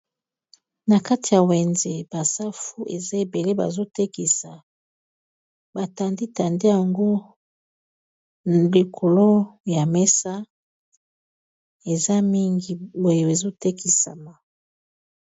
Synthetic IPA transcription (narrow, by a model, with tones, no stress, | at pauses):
na˨ka˦ti˨ja˨wɛ˨nze˨ba˨sa˦fu˦ʔe˨za˦e˨be˨le˦ba̰˨zo˦te˦ki˨sa˨ | ba˨ta˨ndi˦ta˨nde˦ja˨ŋɡo˦ | li˨kʰo˨lo˦ja˨mɛ˦sa˦ | e˨za˦mi˦ŋɡi˨bo˨jo˨e˨zo˦te˦kʰi˨sa̰˨ma˨